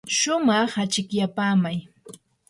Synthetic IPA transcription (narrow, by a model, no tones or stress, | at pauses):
ʃʊmɑχat͡ʃɪkjapaːmaj